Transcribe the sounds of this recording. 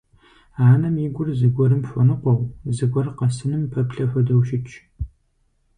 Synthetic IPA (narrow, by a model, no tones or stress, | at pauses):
aːnɐmiɡʷʊrzɨɡʷɔɾɨmfʷɐnɨqʷɔwzɨɡʷɔrqɐsɨnɨmpʰɐpɬɐfɐdɐwʃɪt͡ʃʰʼ